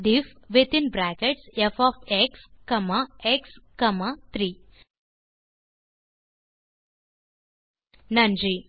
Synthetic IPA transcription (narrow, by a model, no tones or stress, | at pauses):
d̪ifʋit̪inbɾækeʈsefɔːfekskɐmaekskɐmat̪ɾiː | nɐnd͡ʒi